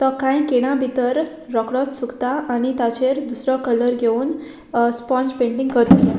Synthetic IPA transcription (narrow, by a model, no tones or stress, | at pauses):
t̪ɔkãjkeɽ̃abʱit̪əɾː | ɔkɽɔt̪sukt̪aʔañit̪at͡ɕeɾd̪usɾɔkələɾɡʱeun | spɔ̃nspeɳʈiŋɡkəɾt̪u